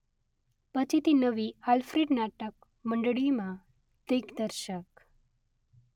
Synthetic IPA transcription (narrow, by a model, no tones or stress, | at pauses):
pət͡ɕʰit̪inəʋialfɾeɖnaʈək̚ | məɳɖɭimã | t̪ekd̪əɾʃək